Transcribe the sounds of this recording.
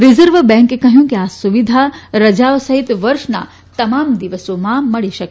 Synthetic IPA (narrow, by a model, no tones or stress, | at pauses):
ɾɪzəɾʋbɛ̃ːŋkekɐɦjũkiaːsuʋid̪ʱaɾɐd͡ʒaːʋosɐɦit̪ʋɐɾʃna̰ | t̪ɐmaːmd̪iʋəsõmãmɐɽiʃɐk